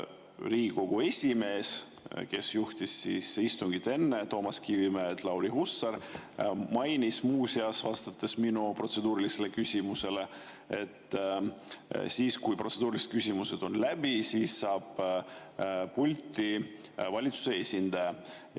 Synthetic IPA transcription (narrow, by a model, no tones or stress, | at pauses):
riːɡiko̞ɡ̥ue̞sʲime̞ːs | ke̞sjuht̪isːisist̪uŋɡit̪e̞nːe̞t̪o̞ːmɑskivimet̪lɑwɾiɦusːɑɾ | mɑjnismuːsiɑsvɑst̪ɑt̪ːˑe̞sminupro̞t̪se̞d̪uːɾilise̞le̞kysʲimuse̞le̞ | e̞̰t̪ː | siːskujpro̞t̪se̞d̪uːɾiliset̪̚kysʲimuse̞d̪̥o̞nlæb̥isisːɑːb̥ | pːulʲt̪ivɑlʲit̪su̥se̞esʲind̪̥ɑjɑ